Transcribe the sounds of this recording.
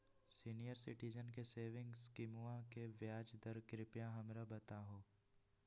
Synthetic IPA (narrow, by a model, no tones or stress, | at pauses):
siːnijəɾsɪʈid͡ʒənkeseːʋɪ̃ŋɡskɪmuãkeʋjaːd͡ʒd̪ɐɾkɾɪpjãɦɐmɾabɐt̪aɦoː